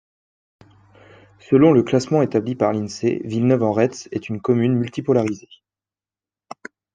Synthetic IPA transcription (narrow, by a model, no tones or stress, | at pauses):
səlɔ̃ləklasmɑ̃et̪ablipaʁlinsḛvilnœvɑ̃ʁɛt̪sɛt̪ynkɔmynmylt̪ipɔlaʁize